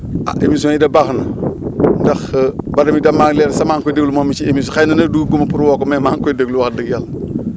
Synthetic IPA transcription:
a̰ʔemis̬maidɐbaxnandaxbadɐmidamaŋleɾsamaːŋkojdəɡlumomit͡ʃiemis̬xajnɐnɐduɡumɐpuɾwokomemaŋkojdəɡluwak̚dəkjal

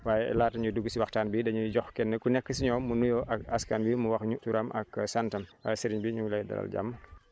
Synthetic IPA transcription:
waːjɛɛ̰laːtɐɲuduɡusiwaxtaːnbidɐɲuɟɔxkɛnːɛkunɛkːəsiɲɔːmunujɔʔɐkaskaːnwimuwɐxɲutuɾɐmʔɐ̰ksantɐmsiɾiɲbiɲulɐjdɐ̰la̰lɟa̰mːə

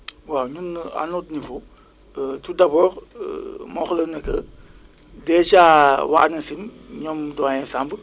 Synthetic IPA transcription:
wawɲunːa̰nutnifu | tudabɔːɾ̰ | mɔxlənɐkə̰ | dɛt͡ʃawa̰ʔnɐsim | ɲɔmdɔjɛsamb

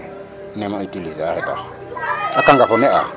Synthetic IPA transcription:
nɛmaitilizahɛda̰x | akaŋɡafɔnɛʔa̰

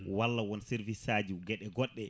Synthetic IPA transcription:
walːawɔnsɛɾvisaːd͡ʒuɡɛɗɛɡɔɗːɛ

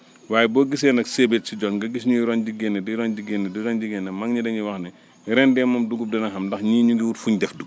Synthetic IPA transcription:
waːjɛbɔːɡis̬ɛːnɐksebetsiɟɔnɡɐɡis̬ɲuɾɔnd͡ʒiɡɛnːɛdiɾɔnd͡ʒiɡɛnːɛdiɾɔnd͡ʒiɡɛnːɛmaŋɲidɐɲiwɐxnɛ | ɾɛndɛːmɐmduɡup̚dɐnɐxɐmdɐxɲiːɲuŋɡiwutfuɲdɛfduɡ

